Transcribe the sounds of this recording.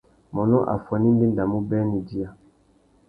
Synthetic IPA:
mɔ˨nɔ˦ʔa̰˨fa˨ni˦n˦di˦nda˨mu˦bɛ˦ni˨di˦a˦˨

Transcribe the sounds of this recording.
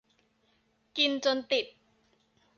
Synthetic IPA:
ki˧nt͡ɕo˧nt̪i˨˩t̪̚

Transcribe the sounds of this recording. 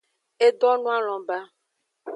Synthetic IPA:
e˦d̪ɔ˦nũ˦a˦l̃ɔ̃˨ba˦

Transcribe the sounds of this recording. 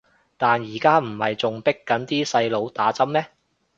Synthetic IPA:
t̪aː˨njiː˨˩kaː˥m̩˨˩hɐ̰˨jt͡sʊ˨ŋpɪ˥kːɐ˨˥nt̪iː˥sɐ˧jlo˨˧wt̪aː˨˥t͡sɐ˥mmɛː˥

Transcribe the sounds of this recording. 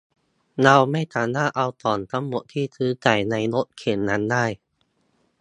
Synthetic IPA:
na˧wma˥˩jt̪ʰaː˨˦naː˥˩ʔa˧wt̪ɔː˨˩nt̪ʰa˦˥ŋmo˨˩t̪ʰiː˥˩t̪ʰɯː˦˥t͡ɕa˨˩jna˧jɾo˦˥t̪̚kʰeː˨˩nːa˦˥ndaː˥˩j

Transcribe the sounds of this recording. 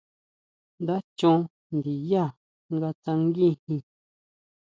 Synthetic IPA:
nd̪a˦t͡ʃũ˦˧ | nd̪i˨ja˦˨ | ŋɡa˧t͡sã˧ŋ˦ɡĩ˦hĩ˧

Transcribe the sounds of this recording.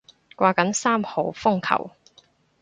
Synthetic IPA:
kʷwaː˧kɐ˨˥nsaː˥mho˨˧wfʊ˥ŋkʰɐ̰˨˩w

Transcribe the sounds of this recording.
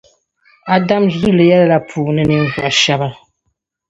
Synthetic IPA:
a˦da˦mzu˦˨lɨ˨jɛ˦lla˨pʰuː˨nɨ˦nɨ˦ŋ˦za˨ʃa˦ba˦

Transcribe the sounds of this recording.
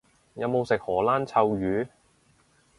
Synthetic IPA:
jɐ˨˧wmo˨˧wsɪ˨k̚hɔː˨˩laː˥nt͡sʰɐ˧wjyː˨˥

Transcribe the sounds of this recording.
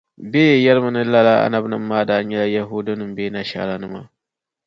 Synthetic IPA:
be˦jɛ˨jɛ˦lɨ˦mɨ˨nɨ˦la˦la˦ʔa̰˦na˦bnɨ˦mː˦aː˦daː˦ɲɛ˦la˦ja˦ɦu˦do˦nɨ˨m˦beː˦na˨ʃa̰˦ɾa˦nɨ˦ma̰˦˨

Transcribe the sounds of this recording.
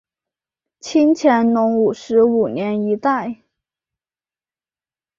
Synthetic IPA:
t͡ɕʰi˥nt͡ɕʰjɛ˧˥nnʊ˧˥ŋu˨˩ʂɻ̩˧˥u˨˩njɛ˧˥ni˧˥t̪a˥˩ɪ

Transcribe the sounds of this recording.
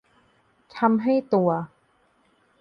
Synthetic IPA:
t̪ʰa˧mɦa˥˩jt̪u˧ɐ

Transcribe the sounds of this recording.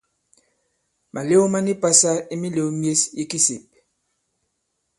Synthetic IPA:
mʔa˨le˦o˦ma˦ni˦pa˦sa˦i˦mi˦le˨o˦mje˦si˦ki˦sḭ˨p̚

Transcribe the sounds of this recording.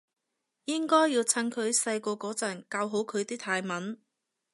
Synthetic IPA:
jɪ˥ŋkɔː˥jːiː˧wt͡sʰɐ˥nkʰɵ˨˧ɥsɐ˧jkɔː˧kɔː˨˥t͡sɐ˨˩nkaː˧wɦo˨˥wkʰɵ˨˧ɥt̪iː˥t̪ʰaː˧jmɐ˨˥n

